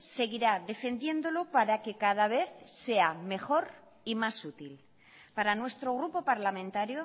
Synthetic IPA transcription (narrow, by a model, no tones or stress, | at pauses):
se̞ɣ̞iɾaðe̞fe̞nd̪je̞nd̪o̞lopaɾake̞kað̞aβ̞e̞θse̞ame̞xo̞ɾ | imasut̪il | paɾanwe̞st̪ɾo̞ɣ̞ɾupo̞paɾlamẽ̞nt̪aɾjo̞